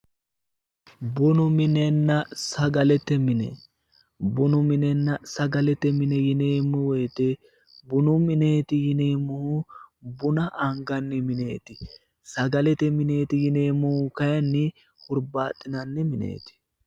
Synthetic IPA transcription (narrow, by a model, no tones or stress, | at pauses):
bʊnʊmɪnɛnːɐsɐɡɐlɛt̪ːɛmɪnɛ̰ | bʊnʊmɪnɛnːɐsɐɡɐlɛt̪ːɛmɪnɛjɪneːmːʊwɔjt̪ːɛ | bʊnʊmɪneːt̪ɪjɪneːmːʊhʊbʊnɐʔɐŋɡɐnːɪmɪne̞ːt̪ɪ | sɐɡɐlɛt̪ɛmɪneːt̪ɪjɪneːmːʊhʊkɐjɐnːɪ | hʊɾbaːt̪ʼːɪnɐnːɛmɪnḛːt̪ɪ̥